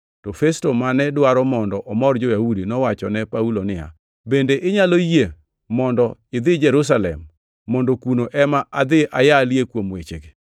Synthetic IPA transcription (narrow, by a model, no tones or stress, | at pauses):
tɔfɛstomanɛdwaɾɔmɔndɔʔɔmɔrd͡ʒojahudinɔwat͡ʃɔnɛpaulonɪa̰ | bendeʔɪɲaloje | mɔndɔɪd̪ɪd͡ʒɛɾus̬alɛ̰mː | ɔndokunoʔɛmaʔad̪ɪʔajaljekwomwḛt͡ʃeɡe